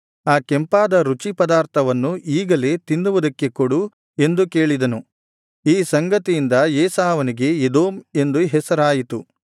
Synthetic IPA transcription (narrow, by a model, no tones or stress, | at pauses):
aːkɛmpaːd̪ɐɾut͡ʃipɐd̪aːɾt̪ʰɐʋɐnːuiːɡɐle̞ːt̪induʋɐd̪ɐkːe̞koɽu | e̞nd̪ukeːɭid̪ɐnu | iːsɐŋɡɐt̪ijind̪ɐjeːsaːʋɐniɡe̞ed̪oːme̞nd̪uɦɛsɐɾaːjit̪u